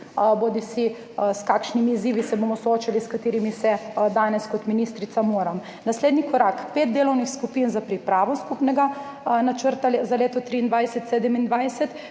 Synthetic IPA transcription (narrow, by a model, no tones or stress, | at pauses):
bod̪isi | skakʃnimiːziːʋisɛbomɔsɔoːt͡ʃaliskat̪eːɾimisɛd̪aːnɛskɔt̪miniːst̪ɾit̪samoːɾam | nasleːd̪nikɔɾakpeːt̪̚d̪eːlɔwnixskupinzapɾipɾaːʋɔskupnɛɡa | nat͡ʃəɾt̪alzaleːt̪ɔt̪ɾiːnd̪ʋajsɛt̪seːd̪ɛmind̪ʋajsɛt̪